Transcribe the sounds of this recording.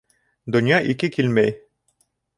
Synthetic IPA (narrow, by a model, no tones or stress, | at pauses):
d̪ŏnjɑʔikɘkilmæj